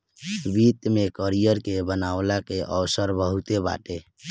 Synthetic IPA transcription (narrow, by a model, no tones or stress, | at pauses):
bit̪mekəɾijəɾkebənawlakeʔəwsəɾbəɦut̪eba̰ʈe